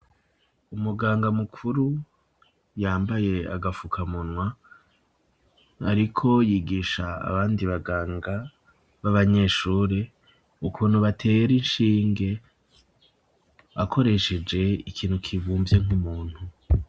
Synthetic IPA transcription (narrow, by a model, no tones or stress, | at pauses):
umuɡaːŋɡamukʰuɾu | jaːmbaje̞a̰ɡafukʰamunwa | a̰ɾikʰo̞jiːɡiʃaa̰βaːndiβaɡaːŋɡa | βaβaɲe̞ːʃuːɾe | ukʰuːn̤̥huβatʰe̞ɾinʃiːŋɡe̞ | βakʰo̞ɾe̞ʃe̞d͡ʒe̞ikʰiːnhukʰivuːmbje̞ŋumuːn̥hu